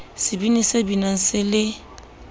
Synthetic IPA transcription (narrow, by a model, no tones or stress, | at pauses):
sibinisebinãn̩selɪ